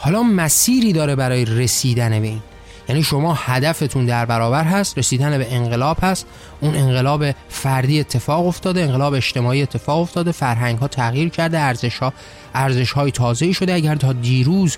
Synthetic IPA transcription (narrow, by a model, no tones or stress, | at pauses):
hɒːlɒːmæsiːɾiːd̪ɒːɾe̞bæɾɒːjeɾesiːd̪ænebe̞iːn | jæniːʃo̞mɒːhæd̪æfe̞t̪ʰund̪æɾbæɾɒːbæɾɦæst̪ɾe̞siːd̪ænebeenɢe̞lɒːb̥hæst̪ | ʔuːne̞ŋɢe̞lɒːbefæɾd̪iːe̞t̪ʰːe̞fɒːɣo̞ft̪ɒːd̪eeŋɢelɒːbeeʃt̪e̞mɒːiːe̞t̪ʰːe̞fɒːɣo̞ft̪ɒːd̪e̞fæɾɦæŋɡhɒːt̪ʰæɣjiːɾcʰæɾd̪eæɾzeʃː | ʔæɾze̞ʃhɒːjet̪ʰɒːze̞iːʃo̞d̪eæɟæɾt̪ʰɒːd̪iːɾuːz